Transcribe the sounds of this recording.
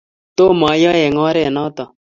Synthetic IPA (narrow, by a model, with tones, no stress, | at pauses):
t̪o˦maː˨jaː˦je˨ŋaː˦ɾenaː˦t̪a